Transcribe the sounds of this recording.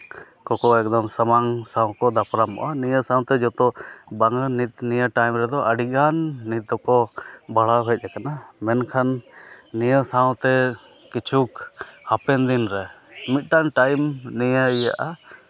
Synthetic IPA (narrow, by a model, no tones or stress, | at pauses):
kɔkɔɛk̚d̪ɔmsəmaŋsaw̃kɔd̪apɾamɔ̰ʔanijəsãw̃t̪ɛd͡ʒɔt̪ɔbaŋənit̪̚nijaʈajmɾɛd̪ɔʔəɖiɡanːit̪̚d̪ɔkɔbaɭaɦɛt̪̚ˀakanamɛnkʰanːijəsaw̃t̪ɛ | kit͡ʃʰukhapɛnd̪inɾɛmit̪̚ˀʈaŋʈajmnijaija̰ʔa